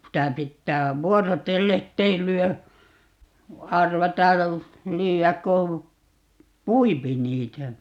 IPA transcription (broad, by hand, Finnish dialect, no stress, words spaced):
sitæ pitːæː ʋuorotelːe tːei lyø ɑrʋɑtɑ lyːæk ko puipi niːtæ